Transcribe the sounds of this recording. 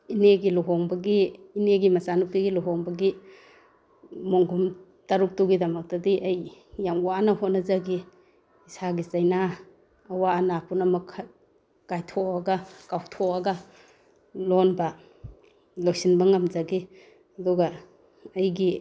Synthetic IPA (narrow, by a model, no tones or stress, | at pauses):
ineɡilɔɦɔŋbɐɡiːneɡimasanup̚tiɡilɔɦɔŋbɐɡi | moŋɡum | taɾuk̚tuɡidɐmɐk̚tɐdiʔɐjːamwanaɦonazaɡi | isaɡisajnaː | waːnapʰunamakʰa | kajtʰɔɐɡakawtʰɔɐɡɐ | lɔnbɐ | lojsinbɐŋamzaɡi | ɐduɡaː | jɡi